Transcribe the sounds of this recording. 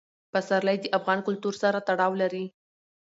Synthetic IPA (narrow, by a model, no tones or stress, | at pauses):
pasaɾlajd̪əʔafɣɑnkʊlt̪uɾsaɾat̪aɽɑwlaɾi